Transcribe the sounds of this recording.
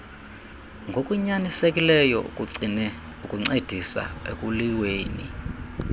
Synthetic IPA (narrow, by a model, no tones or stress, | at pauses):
ŋɡʱokʼuɲanisekʼilɛjɔ̰ | ukʼuŋ͡ǀed̥ʱisa̰ḛkʼuliweːni